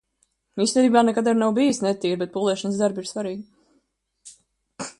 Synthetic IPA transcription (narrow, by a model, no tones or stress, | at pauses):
isʲɛd̪iːbaːnɛkad̪aɾnawbijisnɛt̪iːɾbɛt̪̚puːlˠɛʃɔnsd̪aɾbiɾsvaɾiːɡ